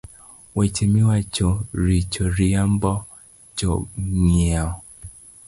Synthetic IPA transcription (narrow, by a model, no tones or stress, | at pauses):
wɛt͡ʃimiwat͡ʃoɾit͡ʃoɾiambɔ | t͡ʃɔŋia